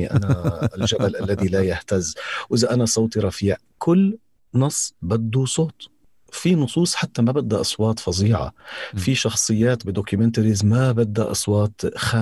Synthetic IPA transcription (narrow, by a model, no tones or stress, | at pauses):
iʔa̰nalʒabalʔalːaðilajaht̪azːwʔɪzaʔanasˤɑwt̪iɾˤɑfiːʕ | kʰʊlː | nɑsˤːbad̪ːusˤoːt̪ | finʊsˤuːsˤħat̪ːamabad̪ːaʔɑsˤwɑːt̪ˤfɑziːʕa̰fiʃɑxsˤɨjːaːt̪bɪd̪okʊmɪnt̪aɾizmabad̪ːa̰ʔɑ̰sˤwɑːt̪xaː